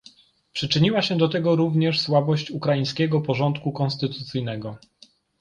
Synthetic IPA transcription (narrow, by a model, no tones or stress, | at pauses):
pʂɘt͡ʂɘɲiwaɕɛd̪ɔt̪ɛɡɔɾuvɲɛʂswabɔɕt͡ɕukɾajĩj̃skʲɛɡɔpɔʐɔnt̪kukɔnst̪ɘt̪ut̪sɘjnɛɡɔ